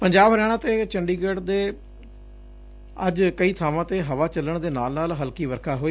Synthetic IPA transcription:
pəɲd͡ʒaːbɾɛːɽ̃ãːt̪eːt͡ʃəɳɖiːɡəɖd̪eː | əd͡ʒkəiːt̪ʰaːʋãːt̪eːɦəʋaːt͡ʃələɳd̪eːna̰ːlnaːlɦəlkiːʋəɾkʰaːɦoːiː

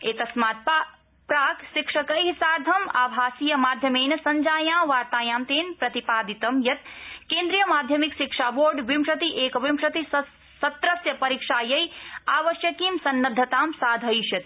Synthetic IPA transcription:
eːt̪ɐsmaːt̪̚pa | pɾaːkʃikʂɐkɐjɦisaːɾd̪ʱɐmaːbʱaːsijɐmaːd̪ʱjɐmeːnɐsɐɲd͡ʒaːjãːʋaːɾt̪aːjaːmt̪eːnpɾɐt̪ipaːd̪it̪ɐmjɐt̪kẽːnd̪ɾijɐmaːd̪ʱjɐmikʃikʂaːboːɾɖʋimʂɐt̪iʔeːkʋimʂɐt̪i | sɐt̪ɾɐsjɐpɐɾiːkʂaːjɐjaːʋɐʃjɐkimsɐnːɐd̪ʱːɐt̪aːmsaːd̪ʱɐjʃjɐt̪

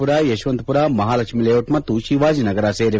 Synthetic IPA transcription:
puɾaːjeʃʋɐnt̪puɾaːmɐɦaːlɐkʃmileːoʈmɐt̪ːuʃiʋaːd͡ʒinɐɡɐɾaːseːɾi

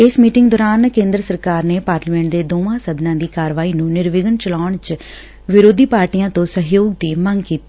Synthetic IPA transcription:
ɪsmiːʈɪŋɡd̪oːɾaːnkẽːnd̪ɾəsəɾkaːɾneːpaːɾlmɛ̃ːɳʈ̚d̪eːd̪oːʋãːsəd̪nãːd̪iːkaːɾʋaːiːnũːnɪɾʋɪɡənt͡ʃəlaːɳt͡ʃ | ʋɪɾoːd̪iːpaːɾʈiːãːt̪õːsəɦjoːɡ̚d̪iːməŋɡkiːt̪iː

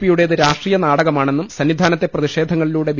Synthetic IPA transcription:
pːijuɽeðɨɾaːʂʈriːjɐnaːɽɐɣɐmaːɳe̞nːumsɐnːid̪ʱaːnɐt̪ːe̞prɐðiʂe̞ːd̪ʱɐŋːɐɭiluːɽe̞ʋ

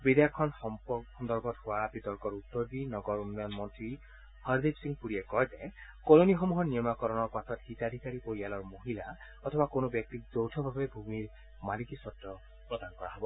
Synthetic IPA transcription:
bid̪jakʰːɔnɔmpɔxɔnd̪ɔɾɡɔthoabit̪ɔɾkɔɾut̪ːɔɾdinɔɡɔɾunːɔjɔnmɔnt̪ɾi | hɔɾd̪id͡ʒsiŋɡpuɽiekɔɦjt̪akolonixɔmuɦɔnijɔmakɔɾɔnɔɾpɔt̪ʰɔt̪hit̪ad̪ʱikaɾipoialɔɹmoɦila | ɔt̪ʰɔbakonobjɔk̚t̪ik̚d͡ʒowtʰɔbʱabebʱumiɾ | malikisɔtːɔ | pɾɔd̪anɔkɔɹaɦɔbɔ

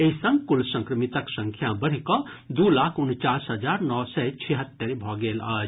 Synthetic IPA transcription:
eɦsə̃ŋɡkulsə̃ŋkɾəmit̪əksə̃ŋkʰjãbəɽ̤ikɔ | d̪ulaːkʰʊnt͡ʃaːsɦəd͡ʒaːɾnɔːsɛt͡ʃʰeɦət̪ːəɾbʱɔɡeːlaːd͡ʒ

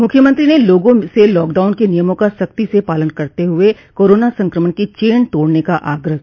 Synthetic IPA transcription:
mʊkʰjəmə̃nt̪ɾineloːɡõselɔːkɖaːʊnkenijəmõkasɐk̚t̪isepaːlənkɐɾt̪eɦʊe | koːɾoːnasɐ̃ŋkɾəməɳkit͡ʃeːnt̪oːɽnekaʔaːɡɾəɦ

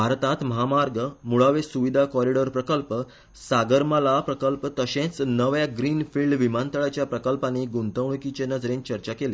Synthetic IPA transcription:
bʱaɾt̪at̪məɦamaɾɡəmuɭaʋesuʋid̪ʱakɔɾiɽəɾpɾəkəlp | saɡəɾmalapɾəkəlpt̪əɕẽt͡snəʋjaɡɾiːnfilɖʋimãnt̪əɭat͡ɕjapɾəkəlpãniɡunt̪əʋɳ̃kit͡ɕenəd͡zɾẽnt͡ɕəɾt͡ɕakele

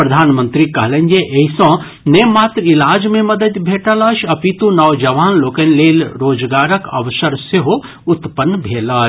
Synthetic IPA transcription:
pɾɐd̪ʱaːnmənt̪ɾikɐɦlend͡ʒeʔɐisɔ̃ː | neːmaːt̪ɾilaːd͡ʒmẽmɐd̪əd̪bʱeːʈaːlaːʃɐpit̪ũnɐʋd͡ʒɐʋaːnloːkɐnleːlɾoːd͡ʒɡaːɾəkɐ̰ʋsɐɾseɦo | ʊt̪pənːbʱeːlaː

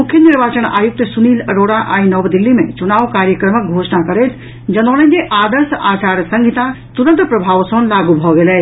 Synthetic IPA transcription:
mukʰjəniɾbat͡ʃəna̰juk̚t̪suniləɾoɽaʔa̰inəbd̪ilːimḛt͡ʃunawkaɾjəkɾəmək̚ɡʱosnakəɾet̪ | d͡ʒənɔləɡeʔad̪əɾsʔat͡ʃaɾsə̃ŋɡʱit̪asuɾənt̪əpɾəbʱaʋsə̃nlaɡubʱɔɡelɛ

